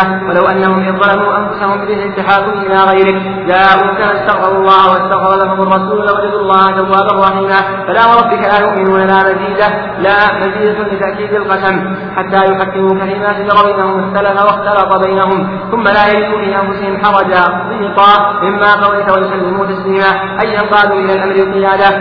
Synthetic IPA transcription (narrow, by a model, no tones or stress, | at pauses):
walawʔanːaɦʊmɪðˤɑlamuːʔanfʊsahʊmbɪɾɪhlɪt̪ːaħaːkːʊmʔɪlaːɣajɾɪk | d͡ʒaːʔʊkaːnɪst̪aɣfɑɾˤɑlˤːɑːhwast̪aɣfɑɾˤɑlaɦʊmʊrˤːɑsuːllawad͡ʒad̪ʊlˤːɑːhad͡ʒawːaːbarˤːɑħiːma | falaːwɾˤɑbːɪkalaːjʊʔmɪnuːnalaːmaziːd̪a | laːmaziːd̪alɪt̪aʔkiːd̪alqɑsam | ħat̪ːaːjʊħakːɪmuːkalɪmatɪdɑɾˤbajnahʊmasːalafawaxt̪alɑt̪ˤɑbajnaɦʊm | θʊmːalaːjalɪd̪uːfiːʔanfʊsɪhɪmħɑɾˤɑd͡ʒabɪɪt̪ˤɑːʔɪmːaːqɑwajt̪awajʊsalːɪmʊːt̪asliːma | ʔajːanqɑːd̪uːʔɪlaːlʔamɾɪlqɪjaːd̪a